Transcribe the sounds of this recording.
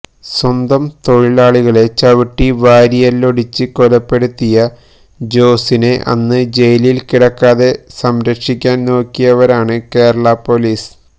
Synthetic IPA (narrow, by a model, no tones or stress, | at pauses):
swɐnd̪ɐmt̪o̞ɻilaːɭiɣɐɭe̞t͡ɕɐʋiʈːiʋaːɾijɐlːo̞ɽit͡ɕːɨkolɐpːe̞ɽut̪ːijɐ | d͡ʑo̞ːsineʔɐ̰nːɨd͡ʑe̞jlilkiɽɐkːaːðe̞sɐmɾɐkʂikʲːaːnno̞ːkːijɐʋɐɾaːɳɨke̞ːɾɐɭɐpo̞liːs